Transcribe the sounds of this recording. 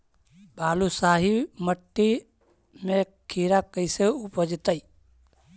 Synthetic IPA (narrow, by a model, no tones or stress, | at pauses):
baːlusaːɦiməʈːi | me | kʰiːɾakəɪseupəd͡ʒt̪əi